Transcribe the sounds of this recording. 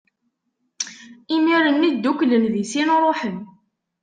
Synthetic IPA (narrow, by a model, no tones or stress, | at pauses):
imiɾənːid̪ːuklənðisinɾˤoħən